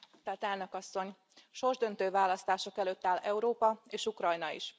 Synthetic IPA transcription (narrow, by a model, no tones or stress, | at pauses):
ki̥st̪ɛrt̪ɛlnø̞kɒsːo̞ɲ | ʃo̞rʒd̪ø̞nt̪øːvaːlɒst̪aːʃo̞kɛløːt̪ːaːlɛuɾoːpɒeːʃukrɒjnɒḭʃ